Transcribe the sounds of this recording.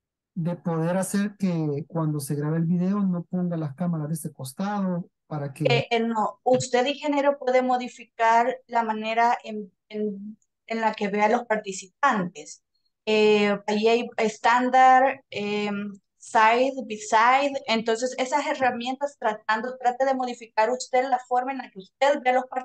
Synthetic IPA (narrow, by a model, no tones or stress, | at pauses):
d̪e̞po̞ðe̞ɾaseɾkekwand̪o̞se̞ɣɾaβeːlβiðe̞ono̞po̞ŋɡalaskamaɾazeseko̞st̪aðo | paɾakenoust̪e̞ðixe̞neɾo̞pwe̞ðe̞mo̞ðifikaɾlamane̞ɾaʔem | en | enlake̞βe̞alo̞spaɾt̪isip̚ant̪es | eaiajest̪and̪aɾem | sajðbisajðent̪o̞ns̬e̞se̞sase̞ramje̞nt̪ast̪ɾat̪̚and̪ot̪ɾat̪eðe̞mo̞ðifikaɾust̪e̞ðlafo̞ɾmaenlakeust̪e̞ðbealo̞saɾ